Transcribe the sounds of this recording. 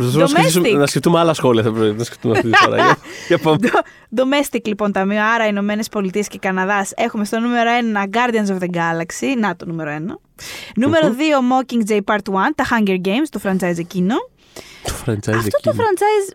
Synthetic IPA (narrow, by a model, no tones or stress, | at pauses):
psɐsosmesismnɐskeft̪umeɐlɐsxo̞liɐθɐp̪nɐskeft̪umɐt̪ifɐ̰ɾɐ̰ɐcɐpod̪ | d̪o̞mest̪iklipo̞nt̪ɐmioɐɾɐino̞me̞ne̞spo̞lit̪ie̞sce̞kɐnɐðɐse̞xume̞st̪o̞nume̞ɾoe̞nɐɡɐɾd̪iɐns̬ovðeɡɐlɐksinɐt̪onume̞ɾoe̞nɐ | nume̞ɾoðio̞mo̞ciŋɡd͡ʒejpɐɾt̪wɐnt̪ɐxɐɲɟeɾɡe̞jmst̪ofɾɐnt͡sɐjzecino̞ | t̪ofɾɐnt͡sɐɐfzt̪ot̪ofɾɐnt͡sɐjz